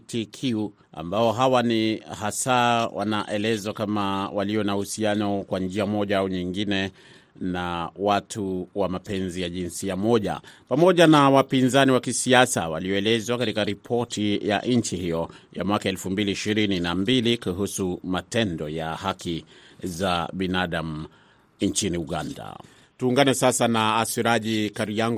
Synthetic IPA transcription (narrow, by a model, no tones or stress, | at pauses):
tikʰuu | a̰mbaɔɦawanihasawʔa̰naʔɛlɛzwakamawaliɔnahusianɔkwand͡ʒiamɔʄaauɲiŋɡinɛ | nawatʰuwamapɛnzijaʄinsiamɔʄa̰pamɔʄanawapinzaniwakisiasawaliɔɛlɛzwakatikaɾipʰɔtʰija̰ʔɲt͡ʃihijɔjamwakaɛlfumbiliːʃiɾininambilikuɦusumatɛndɔjahakizaɓinaɗamu | ɲt͡ʃiniuɠanda̰ | tuːŋɡanɛsasanaːsiɾaʄikaɾijaŋɡ